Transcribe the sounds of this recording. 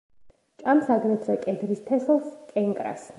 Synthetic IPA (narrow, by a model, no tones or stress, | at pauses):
t͡ʃʼamsaɡɾɛt̪ʰɾɛkʼɛd̪ɾist̪ʰɛslˠskʼɛŋkʼɾa̰s